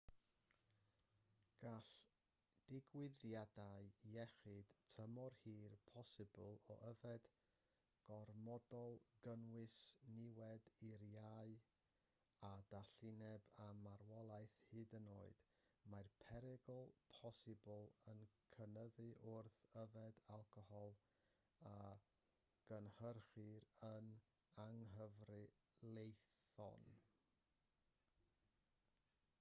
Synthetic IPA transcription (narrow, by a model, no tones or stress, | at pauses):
ɡ̥aɬ | d̥ɪɡwɪðjadaɨɛχɨd̥tʰəmɔrhiːrpʰɔsɨbəlˠɔ̰ʔəvɛd̥ | ɡ̥ɔrmɔdɔlˠɡənwɨsnɪwɛdiɾjaɨ | ad̥aɬɪnɛbamarwɔlˠaɨθhɨdənoːɨd̥marpʰɛɾɛɡlˠpʰɔsɪbʊlˠənkʰənəðɨʔʊrθəvɛdalˠkʰɔhɔlˠ | a | ɡ̥ənhərχɨɾən | aŋɦəvrɨ | lˠejθɔ̰n